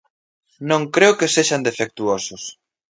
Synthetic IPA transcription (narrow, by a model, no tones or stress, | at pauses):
nõŋkɾeʊkeseʃand̪efek̚t̪uosʊs